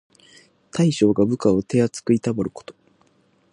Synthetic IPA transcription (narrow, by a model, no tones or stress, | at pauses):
t̪aiɕo̞ːɡabɯ̟kao̞t̪e̞at͡sɨ̥kɯ̟it̪abaɾɯ̟ko̞̥t̪o̞̥